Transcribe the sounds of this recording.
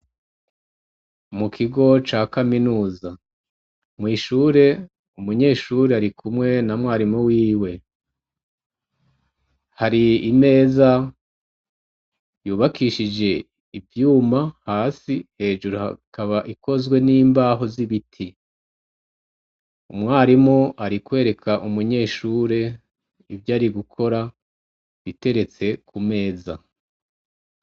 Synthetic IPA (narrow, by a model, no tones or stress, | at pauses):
mukʰiɡo̞t͡ʃaːkaminuːza | mŋiːʃuːɾe̞ | umuɲe̞ːʃuɾeaɾikʰumŋe̞namŋwaːɾimuwiːwe̞ | haɾiːme̞ːza | juːβakʰiːʃid͡ʒe̞ | ivjuːmahaːsihe̞ːʒuɾuhakaβaʔiko̞zɡwe̞niːmbaːɦo̞ziβitʰi | umŋwaːɾimŋoʔaɾikwe̞ːɾe̞kʰaʔumuɲe̞ːʃuːɾe̞ | ivjaːɾiɡukʰo̞ɾa | βite̞ɾe̞t͡se̞kʰume̞ːza̰